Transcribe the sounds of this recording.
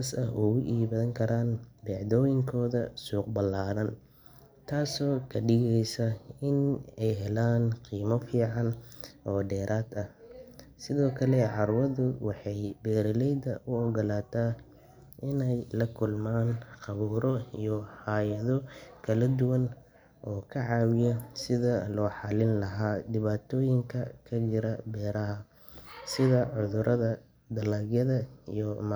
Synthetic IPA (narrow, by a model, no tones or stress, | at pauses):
sɐɦʔʊɣʊʔiːβɐðɐŋkʰɐɾaːnbɛʕd̪ɔːjɪŋkʰɔːðɐ̰suːqbɐlːaːɾɐn | t̪ʰaːsɔːkʰɐɖɪɣɛjsɐɪnɛjɦɛlaːnqiːmɔfiːʕɑnʔɔːɖɛːɾʔaːd̪ɐhsɪðɔːkʰɐlɛʕɑrwɐðʊwɑħɑjbɛːɾɐlɛjd̪ɐʔʊɔɡɐlaːt̪ʰaː | ʔɪnɛjlɐkʰʊlmaːnqɑβuːɾɔijɔhaːjɐðɔkʰɐlɐd̪ʊwɐn | ʔɔːkʰɐʕɑːwɪjɔsɪðɐlɔːħɑlɪnlɐɦaːd̪ɪβaːt̪ʰɔːjɪŋkʰɐkʰɐd͡ʒɪɾɐbɛːɾɐɦɐ | sɪðɐʕʊðʊɾʔɐðɐ | d̪ɐlaːɡjɐðɐijɔm